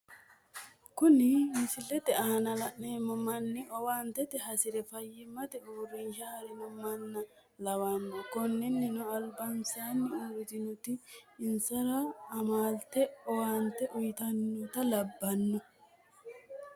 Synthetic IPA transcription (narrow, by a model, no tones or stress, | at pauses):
kʊnɪmɪsɪlɛt̪ɛanɐlɐʔneːmɐmɐnːɪɔwaːnt̪ɛt̪ɛɦɐsɪɾɛfɐjːɪmɐt̪ɛʊrɪnʃɐhɐɾɪnʊmɐnːɐ | lɐwɐnːɔkɔnːɪnːɪnʊɐlbɐnsaːnːɪuɾt̪ɪnʊt̪ɪːnsɐɾaːmaːlt̪ɛɔwaːnt̪ɛʔʊjt̪ɐnːʊt̪ɐlɐbːɐnːɔ